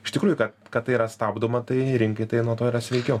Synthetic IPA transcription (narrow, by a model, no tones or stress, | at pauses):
ɪʃt̪ʲɪkɾuːjʊkɐt̪kɐt̪t̪ːɐɪiːɾɐst̪ɑːbd̪omɐt̪ɐɪɾʲɪŋkɐɪt̪ɐɪnuɔt̪oːiɾɐsʲʋʲɛɪkʲoː